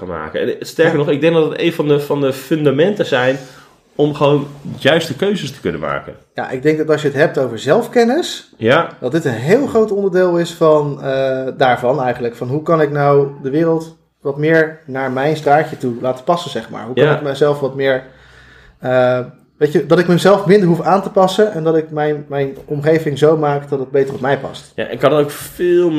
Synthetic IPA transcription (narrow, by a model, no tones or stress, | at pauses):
kanma̰ːkəɛ̰nstɛɹkəɹnɔχɪɡ̚dɛŋɡ̚dɑdətejnvɑndəfɑndəfɵndamɛntəzɛjn | ɔmχəʋonjœɥstəkøɥzəstə̥kɵnə̰ma̰ːkə̰nja̰ːʔɪɡ̚dɛŋk̚dɑtɑls̬jəətɦɛp̚towvəɹzɛlˠfkɛnəsjdɑt̚dɪtənɦɪːlˠχrowtɔndəɹdɪːlˠɪsfɑnədaːɹvɑnɛjχənləkfɑnɦukɑnɪknawdəʋɪːrəlˠt | ʋɑtmɪːɹnaːɹmɛjnstraːcətulaːtə̥pɑsənzɛχma̰ːɹɦukɑnɪk̚məzɛlˠfʋɑtmɪːɹ | ə | ʋejcədɑtɪkməmzɛlˠfmɪndəɹɦufaːntəpɑsənɛndɑtɪkmɛjnmɛjnɔmχejvɪŋzowmaːkdɑtəd̚bejtərɔpmɛjpɑ̰stjaɛ̰nkɑndtokfɪlˠ